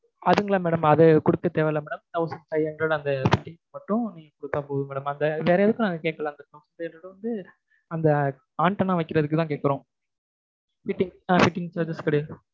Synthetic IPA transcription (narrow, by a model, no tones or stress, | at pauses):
ɐðɯŋɡɐɭamɛːɽɐmɐðɯkʊɽɯkːɐt̪eːʋeːlɐmɛːɽɐmt̪ɐʊsɐnsɐjɛnɖɾɐːɽɯɐnd̪ɐfɪʈːɪŋɡmɐʈːʊ̃nĩːŋɡɐkʊɽɯt̪ːãːpoːðɯmɛːɽɐmɐnd̪ɐʋeːɾɐjɐðɯkːɯ̃naːŋɡɐkeːʈkːɐlãːɐnd̪ɐt̪ɐʊsɐtːɛnrɐːɽɯʋɐnd̪ɯ | ɐnd̪ɐ | aːɳʈɐnãːʋɐɪkːɪɾɐðɯkːɯt̪ãːkeːʈkɪɾõː | fɪʈːɪŋaːfɪʈːɪŋt͡ʃaːɾd͡ʒɐskɐɽɐj